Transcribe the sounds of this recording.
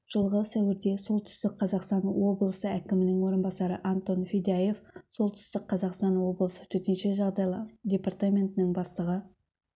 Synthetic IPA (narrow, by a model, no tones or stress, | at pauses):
ʒ̥əlˠʁəsæwɪɾd̪e̞so̞lˠt̪ʰʏ̥st̪ɪk̚qʰɑzɑqst̪ɑnwo̞blˠəsəækʲɪmɪnɪŋwo̞ɾənbɑsɑɾəʔant̪o̞nfʲid̪aje̞fso̞lˠt̪ʰʏ̥st̪ɪk̚qʰɑzɑqst̪ɑnwo̞blˠəsət̪ʰɵt̪enʃe̞ʒɑʁd̪ɑjlˠɑd̪ʲe̞part̪amʲe̞nt̪ɪnɪŋbɑst̪əʁə